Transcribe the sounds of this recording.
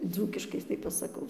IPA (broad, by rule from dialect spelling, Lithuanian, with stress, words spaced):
ˈd͡zuːkʲɪʃkɐɪ tɐɪ pɐsɐˈkɐʊ